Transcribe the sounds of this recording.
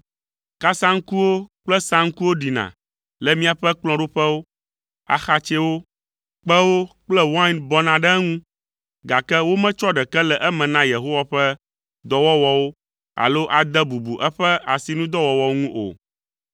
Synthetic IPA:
ka˦sã˦ŋ̩˦ku˦wo˦k͡plɛ˦sã˦ŋ̩˦ku˦wo˦ɖi˨nã̰˨ | lɛ˨mĩ˦a˨ɸɛ˦k͡plɔ̃˦ɖo˦ɸɛ˦wo˦ | a̰˨xa˦t͡ʃɛ˦wo˦ | k͡pɛ˦wo˦k͡plɛ˦wa˦nbɔ˦nã˨ɖɛ˦ŋũ˦ | ɡa˨kɛ˦wo˦mɛ̃˦t͡ʃɔ˦ɖɛ˨kɛ˦lɛ˨ʔɛ˦mɛ̃˨nã˦je˨ɦo˦wa˦ɸɛ˦ | d̪ɔ˦wɔ˦wɔ˦wo˦ | a̰˨lo˦ʔa˨d̪ɛ˦bu˨bu˨ʔɛ˦ɸɛ˦a˨si˦nũ˦d̪ɔ˦wɔ˨wɔ˨˦wo˦ŋũ˦ʔo̰˨

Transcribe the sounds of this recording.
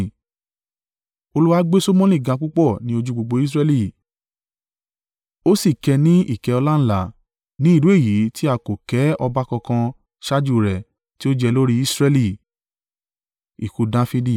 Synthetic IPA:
o˧lu˦wa˦ɡ͡be˦so˦mɔ̃˦lĩ˦˨ɡã˨˧k͡pu˦k͡pɔ˦˨nĩ˨˦o˧d͡ʒu˦ɡ͡bo˧ɡ͡bo˧˦i˦s̬ɾɛ˦li˦˨ | o˦si˦˨kɛ˧nĩ˦ḭ˦˨kɛ˨˧ɔ˧la˦ñ̩˦la˨ | nĩ˦i˦˧ɾu˨˦e˦˨ji˨˦ti˦a˦˧˨ko˨kɛ˨˦ɔ˧ba˦kɔ̃˧kã˧ | ʃa˦d͡ʒu˦˨ɾɛ˨ | ti˦o˦d͡ʒɛ˧lo˦ɾi˦i˦sɾɛ˦li˦˨ | ḭ˨ko˨˧dã˦fi˦di˦˨

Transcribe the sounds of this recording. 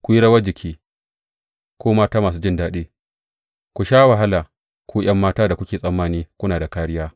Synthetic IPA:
kʷu˨˦i˦ɽɐ˦wɐ˦d͡ʒɪ˨kʲʰiː˦ | kʷʰoː˦maː˦taː˦maː˨s̬uː˦d͡ʒɪ˦ndaː˦ɗeː˦ | kʷu˨ʃaː˦wa˨ɦa˦laː˨ | kʷoː˦j̰ɐ˦mːaː˦taː˦da˨kʷʊ˦kʲeː˨sʼɐ˦mːaː˦niː˦kʷʊ˦naː˨da˨kaː˦ɽɪ˦jaː˦

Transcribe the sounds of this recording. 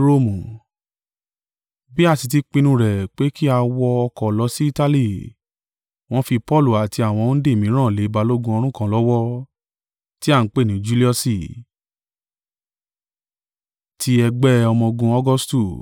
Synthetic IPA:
ɾo˦mũ˨ | bi˦a˦˨ti˧t̬i˨˦k͡pĩ˧nũ˧˦ɾɛ˨k͡pe˦ki˦a˧wɔ˧ɔ˧kɔ˨lɔ˨˦si˦i˦ta˧li˦˨ | w̃ɔ̃˦fi˧pɔ˦˨lu˨a˨ti˧a˨w̃ɔ̃˧˦n̩˦de˦˨mĩ˨˦ɾ̃ã˦˨le˨˦ba˧lo˦ɡũ˧ɔ˧ɾ̃ũ˦kã˧lɔ˦wɔ˦ | ti˦a˦˨n̩˨˦k͡pe˦˨nĩ˨˦d͡ʒu˦li˦ɔ˦si˦˨ | ti˧˦ɛ˧ɡ͡bɛ˦ɔ˧mɔ̃˧ɡũ˧ɔ˦ɡɔ˦stu˦˨

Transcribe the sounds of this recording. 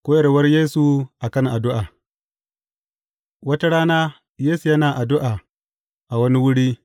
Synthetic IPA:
kʷoː˦jɐ˦˨ɽwɐ˦rjeː˦su˨ʔa˨kɐ˦˨ŋʔa˨dʊ˦ʔaː˨ | wɐ˦ta˦ɽaː˦naː˦ | jeː˦su˨jɐ˦naː˨ʔa˨dʊ˦ʔaː˨ | ʔa˨wɐ˦ni˦wʊ˦ɽiː˦

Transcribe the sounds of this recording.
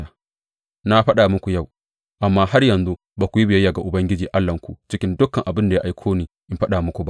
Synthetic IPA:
a˨ | na˦ɸɐ˦ɗaː˨mʊ˦kʷu˨ja˦˨w | ʔa˨mːaː˦ɦa˦rjɛ˨nzu˦ | baː˨kʷu˨ji˦bɪ˨jɛ˦jːa˨ɡa˨ʔʊ˨bɐ˦ŋɡʲɪ˦d͡ʒiː˨ʔa˦lːɐ˨ŋkʷu˨t͡ʃɪ˦kʲɪ˦ndʊ˦kːɐ˨ŋʔa˨bɪ˦nda˨ja˦ʔa˨jkʷʰoː˦niː˨ʔɪ˦mɸɐ˦ɗaː˨mʊ˦kʷu˨ba˦

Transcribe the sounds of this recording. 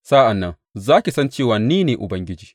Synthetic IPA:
sa˦ʔa˨nːɐ˦n | zaː˦kʲi˨sɐ˦nt͡ʃeː˦˨waː˨niː˦neː˨ʔʊ˨bɐ˦ŋɡʲɪ˦d͡ʒiː˨

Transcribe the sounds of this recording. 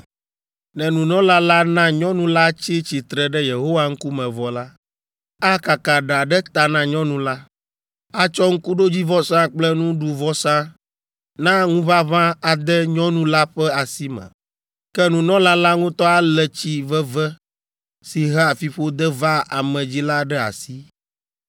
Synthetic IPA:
nɛ̃˨nũ˨nɔ̃˦la˦la˦nã˦ɲɔ̃˦nũ˦la˦t͡ɕi˦t͡ɕi˨t̪ɾɛ˨ɖɛ˦je˨ɦo˦wa˦ŋ̩˦ku˦mɛ̃˨vɔ˨la˦ | a˦ka˨ka˨ɖa˨ɖɛ˦t̪a˨nã˨ɲɔ̃˦nũ˨˦la˦ | a˦t͡ʃɔ˦ŋ̩˦ku˦ɖo˦d͡ʑi˦vɔ˦sã˦k͡plɛ˦nũ˦ɖu˨vɔ˦sã˦ | nã˦ŋũ˦va˦vã˦a˨d̪ɛ˦ɲɔ̃˦nũ˦la˦ɸɛ˦a˨si˦mɛ̰̃˨ | kɛ˦nũ˨nɔ̃˦la˦la˦ŋũ˦t̪ɔ˦a˦lɛ˨t͡ɕi˦vɛ˦vɛ˦ | si˨ɦɛ˦a˨fi˦ɸo˦d̪ɛ˦va˦a̰˨mɛ̃˨d͡ʑi˦la˦ɖɛ˦a̰˨si˦

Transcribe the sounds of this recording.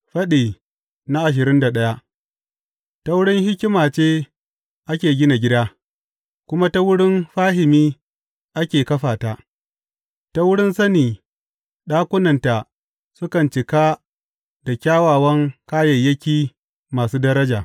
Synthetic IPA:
ɸɐ˦ɗiː˨ | na˦ʔa˨ʃ̬ɪ˨ɾɪ˦nda˨ɗɐ˦ja˦ʔ | ta˦wʊ˦ɽɪ˦ŋhɪ˦kʲɪ˦maː˨t͡ʃeː˦ | ʔa˦kʲeː˨ɡʲɪ˦na˨ɡʲɪ˦daː˦ | kʷʊ˦ma˦ta˦wʊ˦ɽɪ˦mɸaː˦ɦɪ˨miː˦ | ʔa˦kʲeː˨kɐ˦ɸaː˨taː˦ʔ | ta˦wʊ˦ɽɪ˦nsɐ˦niː˨ | ɗaː˦kʷʊ˦nɐ˨nta˨ | sʊ˦kɐ˨nt͡ʃɪ˨kaː˦ | da˨kʲaː˦waː˨wɐ˦ŋkaː˦jɐ˨jːɐ˦kʲiː˨ | maː˨suː˦dɐ˦ɾɐ˦d͡ʒaː˨

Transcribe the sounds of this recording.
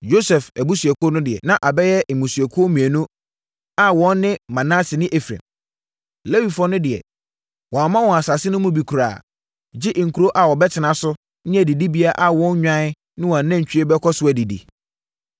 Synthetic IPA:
jo˦sɛ˨fæ˨bu˦sɥɛ˨kʰʊ˦o˦nʊ̃˦dɪ˨ɛ̰˨nã˦ʔa˨bɛ˦jɛ˦˨mũ˨sɥɛ˨kʰu˦o˦mĩ˨æ˨nũ˦ | a˨wɔ̃˨˦nː˦ɪ̃˦mã˨nã˦sɪ˨nɪ̃˦ʔe˦fɾɛ̰̃˨m | le˦wi˨fɔ˦nʊ̃˦dɪ˨ɛ̰˨ | wɔ̃˨a˨mã˦wɔ̃˨a˨sa˨sɪ˦nʊ̃˦mũ˦bi˨kʰu˨ɾa̰ː˨ | d͡ʑɪ˦ʔŋ̩˨kʰu˨ɾo˦ʔa˨wɔ˨bɛ˦tʰɪ˨nã˨sʊ˦ | nɪ̃˦æ˨di˨di˦bi˦a˨˦ʔa˨wɔ̃˦n˦ɲᶣã˦ | nɪ̃˦wɔ̃˨nã˦ɲ̩˨t͡ɕᶣi˦e˦bɛ˦kʰɔ˦sʊ˦æ˨di˨dḭ˨

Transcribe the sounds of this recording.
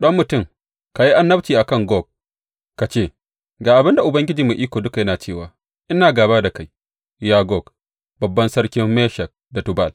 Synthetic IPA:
ɗɔ˦mːʊ˨tʊ˦˨m | ka˨ji˦ʔa˦nːɐ˦bt͡ʃiː˨ʔa˨kɐ˦ŋɡɔ˦˨k̚ː | a˨t͡ʃeː˦˨ | ɡaː˨ʔa˨bɪ˦nda˨ʔʊ˨bɐ˦ŋɡʲɪ˦d͡ʒiː˨mu˨ʔiː˦kʷoː˨dʊ˦ka˨jɐ˦naː˨t͡ʃeː˦˨waː˨ | ʔɪ˦naː˨ɡaː˨baː˦da˨ka˦j | jaː˦ɡɔ˦˨k | b̥ɐ˨bːɐ˦nsɐ˦ɽkʲɪ˦mmeː˦ʃɐ˨k̚da˨tʊ˨ba˦˨l

